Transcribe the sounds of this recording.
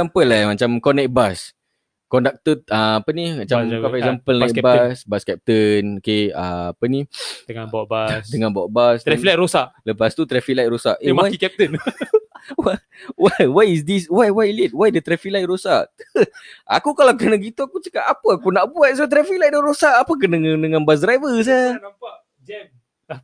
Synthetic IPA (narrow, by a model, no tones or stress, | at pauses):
sampəlːamat͡ʃamkɔnɛk̚bas | kɔndak̚t̪əaapənimat͡ʃamkapasampəlnabasbaskɛp̚t̪ənokea̰apənidəŋabɔbasdəŋãnbɔʔ̚basd̪ɛfilajɾosaʔləpast̪ut̪ɾɛfilajt̪̚rosaʔɛmaikɛp̚t̪ən | wa | wawajis̬diswajwajlit̪̚wajdət̪ɾɛfik̚lajt̪̚rosaʔəa̰kukalawk̬ənaɡit̪uakut͡ʃə̥kapapəakunaʔbuat̪̚s̬at̪̬ɾɛfik̚lajt̚dahɾosaʔapək̬əndəŋãdəŋãnbas̬dɾajvəs̬aaa | d͡ʒɛm